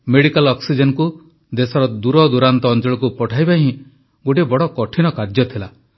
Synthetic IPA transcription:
meɽikalɔksid͡ʒenku | d̪esɔɾɔd̪uɾɔd̪uɾant̪ɔːnt͡ʃɔɭɔkupɔʈʰajbaɦĩ | ɡoʈibɔɽɔkɔʈʰinɔkaɾd͡ʒjɔt̪ʰila

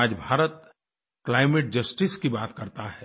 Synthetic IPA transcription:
d͡ʒbʱaːɾət̪̚ | klaːɪmeːʈ̚d͡ʒəsʈiskibaːt̪kɐɾt̪aɦɛː

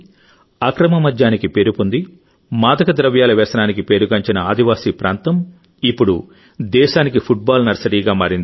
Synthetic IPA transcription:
ɐkɾɐmɐmɐd̪jaːnikipe̞ːɾupund̪i | maːd̪ɐkɐd̪ɾɐʋjaːlɐʋɛːsɐnaːnikipe̞ːɾuɡɐɲt͡ʃinɐaːd̪ʱiʋaːsiːpɾaːnt̪ɐm | ipːuɽu | d̪ɛːʃaːnikipʰuʈ̚baːlnɐɾsɐɽiːɡaːmaːɾind̪i

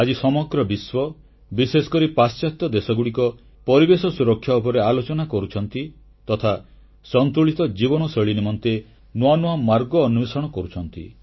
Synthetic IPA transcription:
ad͡ʒisɔmɔɡɾɔbiswɔ | bisesɔ̥kɔɾipast͡ʃat̪ɔd̪esɔɡuɽikɔ | pɔɾibesɔsuɾɔkʰːjaɔpɔɾealot͡ʃɔnakɔɾut͡ʃʰɔnt̪i | t̪ɔt̪ʰa | sɔnt̪ɾuɭit̪ɔd͡ʒibɔnɔsɔɭinimɔnt̪e | noanuamaɾɡɔːnubesɔɽ̃ɔkɔɾut͡ʃʰɔnt̪ḭ

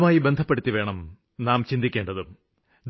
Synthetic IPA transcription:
maːjibend̪ʱɐpːeɽut̪ːiʋe̞ːɳɐm | naːmt͡ɕind̪ikʲːe̞ːɳɖɐðɨm | d̪

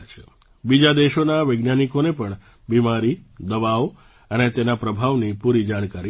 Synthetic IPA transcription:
t͡ʃʰe | bid͡ʒad̪eʃonaʋəjɡnjanikonepəɳ | bimaɾid̪əʋaʋ | ənet̪enapɾəbʱaʋnipuɾid͡ʒaɽkaɾi

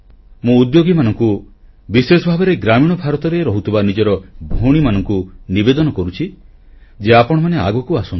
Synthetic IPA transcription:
mũːd̪joɡimanɔŋku | bisesɔbʱabeɾeɡɾamiɽ̃ɔbʱaɾɔt̪ɔɾeɾɔɦut̪ʰibanid͡ʒɔɾɔbʱoɽ̃imanɔŋkunibed̪ɔnɔkɔɾut͡ʃʰi | d͡ʒeapɔɽ̃ɔmanea̰ɡɔkuasun

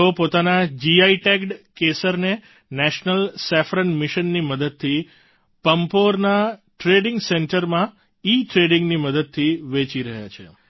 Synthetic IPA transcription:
opot̪anad͡ʒiaiʈekɖkesəɾne | nɛʃnəlsɛfɾəɳmɪʃənːiməd̪əd̪̚t̪ʰi | pəmpoɾnaʈɾeɖɪŋɡseɳʈəɾmã | iʈɾeɖɪŋɡniməd̪əd̪̚t̪ʰiʋet͡ʃiɾəɦja̰t͡ʃʰḛ

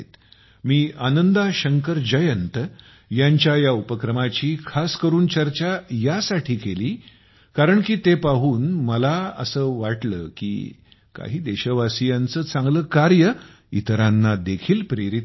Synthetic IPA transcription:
t̪ | miːanənd̪aɕəŋkəɾd͡ʑəjənt̪ | jaɲt͡ɕjajaupəkɾəmat͡ɕiːkʰaskəɾuːnt͡ɕəɾt͡ɕajasaʈʰiːkeliː | kaɾəɳkiːt̪epaɦuːnməlaə̰səːʋaʈlə̰ːkḭː | ka̰ɦiːd̪eɕəʋasijant͡səːt͡sãŋɡləːkaɾjə | it̪ɾanːad̪ekʰiːlpɾeɾit̪

